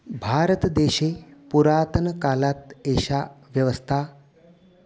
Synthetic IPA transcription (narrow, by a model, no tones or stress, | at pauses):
bʱaːɾət̪d̪eɕepuɾaːt̪ənəkalat̪eɕaʋjəʋəst̪ʰa